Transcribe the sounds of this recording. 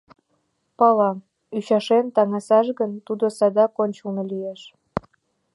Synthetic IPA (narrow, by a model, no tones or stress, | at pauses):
pɑlɑ | yɕɑʃemt̪ɑŋɑsɑʃɣənt̪ud̪osɑd̪ɑkonʲt͡ɕulnolieʃ